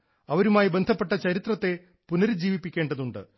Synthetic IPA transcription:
ɐʋɐɾumaːjibend̪ʱɐpːe̞ʈːɐt͡ɕɐɾit̪rɐt̪ːe̞ | punɐɾd͡ʑiːʋipːikʲːe̞ːɳɖɐðuɳɖɨ̰

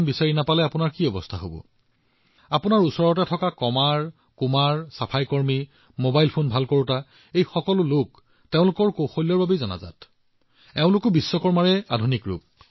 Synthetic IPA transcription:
nbisaɹinapalɛapʊnaɹkiɔbɔstʰaɦo̰bɔ̰ | apʊnaɹusɔɹɔt̬ɛtʰɔkakɔmaɹ | kumaɹsapʰajkɔɹmi | mobajlpʰonbʱalkɔɹuta | ejxɔkɔlʊlʊk | teʊ̃lʊkɔɹkoxolːɔɹbabezɔna̰za̰t | ɛʊ̃lʊkʊbisːɔkɔɹmaɹɛa̰dʱunikɹṵp̚

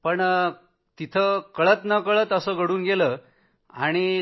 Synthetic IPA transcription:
pəɳ | t̪it̪ʰəkəɭət̪nəkəɭət̪əsəːɡʱəɽuːnɡelə | aɽ̃i

